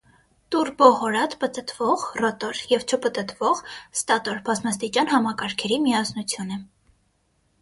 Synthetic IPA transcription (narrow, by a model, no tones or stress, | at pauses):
t̪uɾbɔʁɔɾɑt̪pət̪ət̪vɔʁrɔt̪ɔɾjɛvt͡ʃʰəpət̪ət̪vɔʁst̪ɑt̪ɔɾbɑzmɑst̪it͡ʃɑnhɑmɑkɑɾkʰɛɾimiɑsʰnut͡sʰjunə